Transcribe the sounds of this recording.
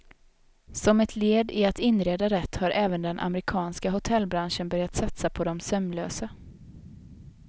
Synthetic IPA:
sɔmɛt̪ʰleːd̪ɪat̪ɪnːɾeːd̪aɾɛt̪ːhaɾʔɛːvənd̪ɛnʔa̰mɛɾɪkʰɑːnskaɦʊt̪ʰɛlbɾanʂənbœɾjat̪sat̪sapʰɔd̪ɔmsœmløːsa

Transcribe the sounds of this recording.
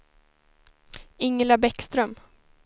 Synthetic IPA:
ɪŋːlabɛkst̪ɾœm

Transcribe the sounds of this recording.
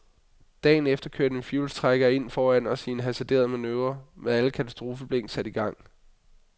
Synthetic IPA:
d̥ɛ̰ːn̩efd̥ɐkʰøɐd̥enfjuːlst͡sʰʁaɡ̥ɐe̝n̰fɒːæn̰ɒ̽sie̝nɦæsæd̥e̝̰ɐð̞ˠmænøːɐmeðˠæləkʰæt͡sʰæsd̥ʁo̝ːfəb̥leŋ̰̥sæd̥iɡ̥ɑ̈ŋ̰

